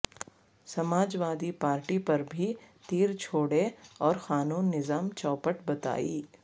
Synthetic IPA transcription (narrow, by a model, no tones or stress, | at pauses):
sɐmaːd͡ʒʋaːd̪ipaːɾʈipɐɾbʱit̪iːɾt͡ʃʰoːɽeɔːɾxaːnuːnːɪzaːmt͡ʃɔːpəʈbɐt̪a̰ːḭː